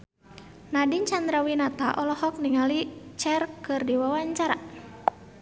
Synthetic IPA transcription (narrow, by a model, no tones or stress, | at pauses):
nadint͡ʃand̪ɾawinat̪aʔɔlɔhɔk̚niŋalit͡ʃɛrkɨrdiwawaɲt͡ʃaɾa